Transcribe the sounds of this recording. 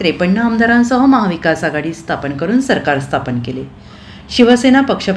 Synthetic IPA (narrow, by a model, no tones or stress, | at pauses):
ɾepəɳːəamd̪ʱaɾãnsəɦəməɦaʋikasaɡaɽiːst̪ʰapənkəɾuːnsəɾkaɾst̪ʰapənkele | ɕiʋəsenapəkʂəp